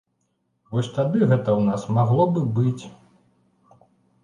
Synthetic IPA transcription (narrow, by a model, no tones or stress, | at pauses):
vɔsʲt̪ad̪ɨɣɛt̪ɐwnasmaɣlˠɔbɨbɨt͡sʲ